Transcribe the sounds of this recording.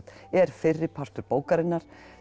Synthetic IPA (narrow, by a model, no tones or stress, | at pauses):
ɛɾ̥fɪrːɪpʰar̥t̪ʏɾpoːwkaɾɪnːaɾ̥